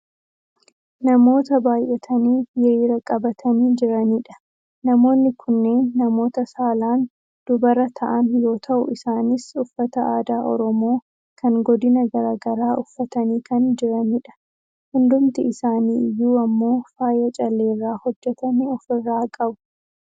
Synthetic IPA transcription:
nɐmo̞ːt̪ɐbaːjʔɛt̪ʰɐniːjɛiːɾɐkʼɐbɐt̪ʰɐniːd͡ʒɪɾɐniᶑɐ̥ | nɐmo̞ːnːɪkʰʊnːe̞ːnːɐmo̞ːt̪ɐsaːlaːn | d̪̥ʊbɐɾɐt̪ʰɐʔɐnjo̞ːt̪ʰɐʔʊ̰ɪsaːnɪsʊfːɐt̪ɐaːd̪aːʔɔ̰ɾɔmo̞ː | kʰɐŋɡɔd̪ɪnɐɡɐɾaːɡɐɾaːʔʊfːɐt̪ɐniːkʰɐnd͡ʒɪɾɐniᶑɐ̥ | hʊnd̪ʊmt̪ɪɪsaːniːɪjːuːɐmːo̞ːfaːjɐt͡ʃʼɐlːe̞ːrːaːhɔd͡ʒːɛt̪ɐnɪɔfɪrːaːkʼɐbʊ̥

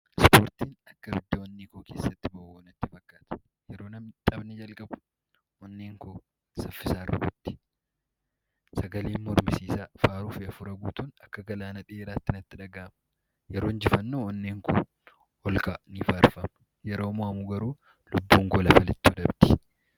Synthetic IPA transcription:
ɪspoːɾt̪iːnɐkːɐbɪd̪ːɐwɐnːiːkoːke̞ːsːɐt̪ːɪbɐʔoːnɐt̪ːɪfɐkːaːt̪ɐ̥ | jɛɾo̞ːnɐmt͡ʃ̪ʼɐbnɛd͡ʒɐlkʼɐbʊ̥ | wɐnːeːŋkoː | sɐfːɪsaːrːɐ̰bʊt̪ːɪ̥ | sɐɡɐleːnmɔɾmɪsiːsaːfaːɾuːfɪɐfʊɾɐɡuːt̪ʊːnɐkːɐɡɐlaːnɐᶑɪeːɾaːt̪ːɪnɐt̪ːɪᶑɐɡaːmɐ | jɛɾo̞ːnd͡ʒɪfɐnːoːwɐnːeːŋkoː | ɔlkaniːfaːɾfɐm | jɛɾo̞ːmɔɐmuːɡɐɾuː | lʊbːuːŋɡolɐfɐlɛt̪ːuːᶑɐbd̪ɪ̥

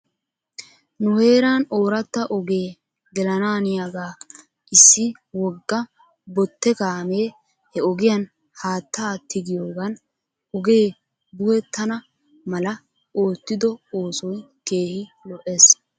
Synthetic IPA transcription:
nʊhe̞ːɾaːno̞ːɾɐt̪ːɐʔɔɡeː | ɡɛlɐnaːnɪjaɡaː | ʔɪsːɪ | wɔɡːɐ | bɔt̪ːɛkaːmeː | hɛɔɡɪjɐn | haːt̪ːaːt̪ʰːɪɡɪjo̞ːɡɐn | ɔɡe̞ː | b̪ʊhɛt̪ːɐnɐ | mɐlɐ | o̞ːt̪ːɪd̪ɔo̞ːsɔj | ke̞ːhɪlɔʔe̞ːs

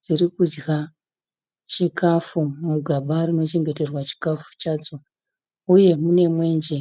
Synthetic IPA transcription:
d͡zirikud͡ʒɡa | t͡ʃikafumuɡʱaɓarino̞t͡ʃe̞ŋɡe̞te̞rwat͡ʃi̥kafu̥t͡ʃaːd͡zo̞ | uje̞mune̞mwe̞ːnd͡ʒe̞

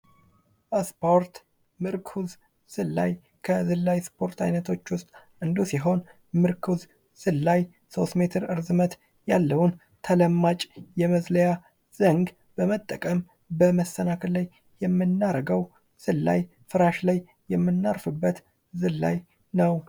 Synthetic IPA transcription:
ʔspʰoɾt̪ | mɨɾkʰuz | sɨlːa̰j | kʰəzɨlːajspʰo̞ɾt̪ʰa̰jnət̪ʰo̞t͡ʃːwʊst̪ʼ | ʔɨnd̪usiɦo̞n | mɨɾkʰuz | sɨlːaj | so̞st̪me̞t̪ʰɨɾɨɾzɨmət̪ | jalːəwun | t̪ʰələmːat͡ʃʼjɛməzləja | z̥əŋɡ | b̥əmət̪ʼːəkʼəm | bəməsːənakʰəllajː | ɛmːɨnːaɾəɡəw | sɨlːa̰j | fɨɾaʃlaj | jɛmːɨnːaɾfɨbːət̪ | zɨlːa̰j | nəw

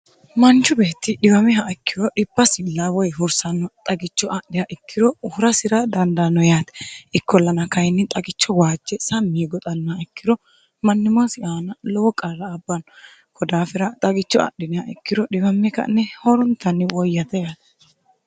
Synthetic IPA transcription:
mɐnt͡ʃːʊbeːt̪ːɪɗɪbɐmɛɦɐɛkːɪɾɔɗɪbːɐsɪlːawɔjɦʊɾsɐnːɔt̪ʼɐɡɪt͡ʃːɔʔɐɗɪjaʔɪkːɪɾɔʊhʊɾɐsɪɾɐd̪ɐnd̪ɐnːɔjaːt̪ɛ̥ʔɪkːɔlːɐnɐkɐjnːɪt̪ʼɐɡɪt͡ʃːɔwaːd͡ʒːɛsɐmːiːɡɔt̪ʼɐnːaɛkːɪɾɔ | mɐnːɪmʊasɪʔaːnɐlɔwɔkʼɐɾɐːbːɐn | kʰɔd̪aːfɪɾɐt̪ʼɐɡɪt͡ʃːɔɐ̰ɗːɪnɪjaʔɛkːɪɾɔᶑɪbɐmːɛkɐ̰nːɛhɔɾɔnt̪ːɐnːɪwɔjːɐt̪ɐjaːt̪

